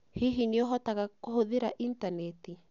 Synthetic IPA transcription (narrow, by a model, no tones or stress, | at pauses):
hiɦineɔɦɔtaɣakohoðeɾaʔintanɛti